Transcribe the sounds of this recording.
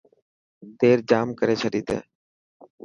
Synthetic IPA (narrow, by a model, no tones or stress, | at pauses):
t̪eːɾd͡ʒaːmkəɾeːt͡ʃʰəɖiːt̪ḛː